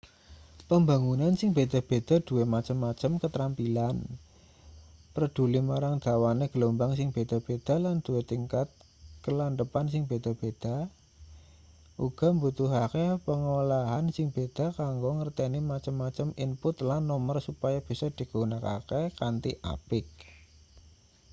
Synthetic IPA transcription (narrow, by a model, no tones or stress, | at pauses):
pəmba̤ŋunansɪŋb̥e̤d̪̥a̤b̥e̤d̪̥a̤d̪̥ṳwemat͡ʃəmːat͡ʃəmkət̪ɾampilan | pəɾəd̪̥ṳlimaɾaŋd̪̥a̤waneɡ̥əlombaŋsɪŋb̥ed̪̥a̤b̥ed̪̥a̤land̪̥uet̪iŋkat̪̚ | kəlanɖəpansɪŋb̥e̤d̪̥a̤b̥ed̪̥a̤ | ʔuɡ̥a̤mbut̪uɦakepəŋolaɦansɪŋb̥ed̪̥a̤kaŋɡoŋərt̪ɛnimat͡ʃəmːat͡ʃəminpʊt̪lanːɔmərsupajab̥i̤sɔd̪̥i̤ɡ̥o̤unaka̰kekant̪iʔa̰pɪk̚